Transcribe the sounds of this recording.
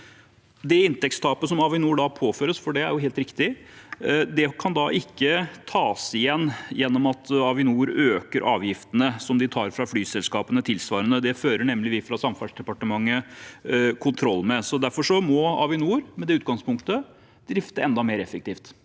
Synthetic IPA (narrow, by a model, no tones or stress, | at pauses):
d̪ɛɪnt̪ɛkst̪ʰɑːpəsɔmɑʋɪnuːɖɑpʰoːføːɾəsfɔɖɛæ̰ɾjʊɦeːlt̪ɾɪkt̪ɪ | d̪ɛkʰɑnd̪ɑʔɪkːət̪ʰɑːsɪjɛnːjɛnːɔmɑt̪ʰɑʋɪnuːɾøːkəɾʔɑ̰ːʋjɪft̪ənəsɔmd̪ɪt̪ʰɑːɾfɾɑflyːsɛlskɑːpənət̪ʰɪlsʋɑːɾənəd̪ɛføːɾəɳɛmːlɪʋɪfɾɑsɑmfɑʂd̪ɛpɑʈəmɑŋːə | kʰʊnt̪ʰɾɔlːmɛsɔd̪æɾfɔʂɔmɔɑ̰ʋɪnuːɾmɛd̪ɛʉːt̪̚ɡɑŋspʊŋkt̪ə | d̪ɾɪft̪əɛnd̪ɑmeːɾɛfək̚t̪ʰiːft̪